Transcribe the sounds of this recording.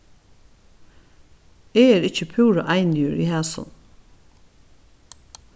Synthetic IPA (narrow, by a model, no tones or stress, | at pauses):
eːeːɾɪçəpʰʉːɾɔʔæɪnɪʉɹiːhæːsɔ̰n